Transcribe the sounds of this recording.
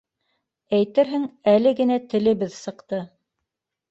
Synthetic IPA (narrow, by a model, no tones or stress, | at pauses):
æjt̪ɘɾɦɘŋælɘɡɘ̆næt̪ɘ̆lɘ̆βɘðsɤ̆qt̪ɤ